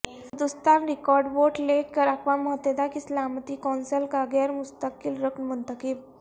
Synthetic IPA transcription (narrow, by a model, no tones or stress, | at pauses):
sd̪ust̪aɾɾikɔɾɖʋoʈlekːəɾakʰʋaməɦət̪ːed̪akislamt̪ikɔnsəlkaɡɛɾmust̪əkilɾəknmənt̪əkib